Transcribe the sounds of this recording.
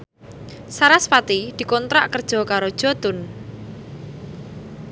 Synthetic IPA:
saɾaspat̪id̪̥i̤kɔnt̪ɾa̰ʔkərd̥ʒ̥ɔ̤kaɾod̥ʒ̥ɔ̤t̪ʊn

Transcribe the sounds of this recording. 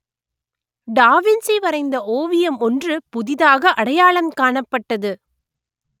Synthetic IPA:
ɖaːʋɪnsiʋɐɾɐɪnd̪ɐʔoːʋɪjɐmɔndrɯpʊðɪðaːɣɐʔɐɽɐjaːɭɐmkaːɳɐpːɐʈːɐðɯ

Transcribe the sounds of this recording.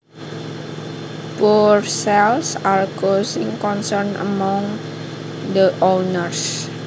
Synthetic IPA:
porsɛlsarɡosɪŋkɔnsərnə̰mɔ̃ŋ | d̪əʔonərs

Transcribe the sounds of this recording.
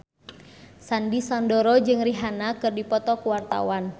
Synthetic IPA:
sandisɔndɔɾɔd͡ʒɨŋriɦanakɨrdipɔt̪ɔkuwart̪a̰wan

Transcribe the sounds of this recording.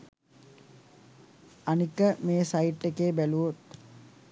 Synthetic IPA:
anikəmeːsaiʈːekeːbæluot̪

